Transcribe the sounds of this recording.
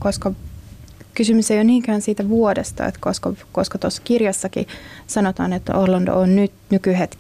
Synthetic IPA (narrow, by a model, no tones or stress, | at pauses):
koskɑ | kysymysejonniːŋkæːnsiːt̪æʋuodest̪ɑ̰ḛt̪koskɑkoskɑt̪osːɑ̥kirjɑsːɑkḭsɑnot̪ɑːnet̪ːorlɑndo̰onnyt̪nykyhet̪k